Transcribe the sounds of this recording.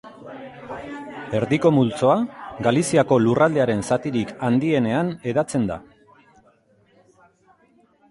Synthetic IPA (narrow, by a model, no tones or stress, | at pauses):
e̞ɾðiko̞mult͡so̞aɡalisiako̞lurald̪eaɾe̞nsat̪iɾikand̪ie̞ne̞ane̞ðat͡se̞nd̪a̰